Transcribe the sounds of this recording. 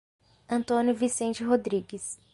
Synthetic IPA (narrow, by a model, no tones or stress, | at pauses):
ɐ̃nt̪õnʲjʊvisẽnt͡ʃɪɦod̪ɾiɡɪs